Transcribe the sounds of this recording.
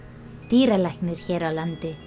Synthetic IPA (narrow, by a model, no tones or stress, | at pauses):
t̪iːɾalahknʏɾ̥çɛːɾawlant̪ɪ